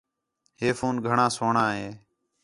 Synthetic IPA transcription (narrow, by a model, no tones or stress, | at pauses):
ɦeːfoːnɡʱəɳãːsoːɳãːɦeː